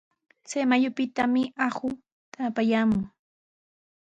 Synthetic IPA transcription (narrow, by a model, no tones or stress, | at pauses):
t͡sajmajʊpɪt̪amɪahʊ | t̪ʰapajaːmʊŋ